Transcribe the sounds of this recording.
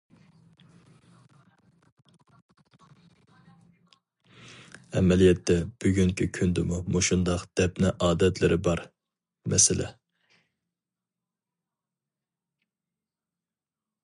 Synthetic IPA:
ɛmɛlijɛt̪ʰːɛb̥yɡʲyŋkʲikʲʰynd̪ɪmumoʃund̪ɑqd̪̥ɛpnɪʔɑːd̪ɛt̪lɪɾɪbɑɾ | mɛ̰sɪlʔɛ̰

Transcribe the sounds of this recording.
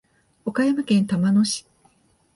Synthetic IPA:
o̞kajamakẽ̞nt̪amanoɕi̥

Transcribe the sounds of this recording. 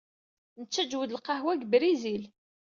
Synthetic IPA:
nət͡sːæd͡ʒwəd̪lqɑhwæɡbɾizil

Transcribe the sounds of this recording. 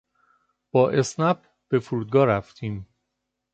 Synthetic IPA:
b̥ɒːʔe̞snæp̚ | b̥e̞fuɾuːd̪̚ɡɒːɾæft̪ʰiːm

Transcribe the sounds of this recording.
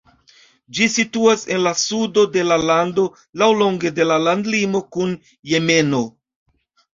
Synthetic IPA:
d͡ʒisituase̞nlasudo̞de̞lalando̞ | lawlo̞ŋɡe̞de̞lalandlimo̞kun | je̞me̞no̞

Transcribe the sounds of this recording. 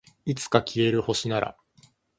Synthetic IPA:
it͡sɨ̥kakʲʰie̞ɾɯ̟ho̞ɕinaɾa̰

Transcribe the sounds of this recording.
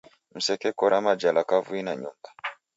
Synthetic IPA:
m̩sɛkɛkɔɾʔamad͡ʒalakavuinaɲumba

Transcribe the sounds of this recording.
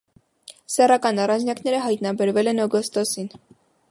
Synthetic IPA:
sɛrɑkɑnɑrɑnt͡ʃʰnjɑknɛɾəɦɑjt̪nɑbɛɾvɛlɛnɔɡɔst̪ɔsin

